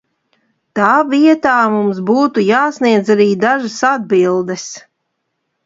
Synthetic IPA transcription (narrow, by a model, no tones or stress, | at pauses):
t̪aːviɛt̪aːmumsbuːt̪ujaːsniɛd̪zaɾiːd̪aʒasad̪̚bilˠd̪ɛs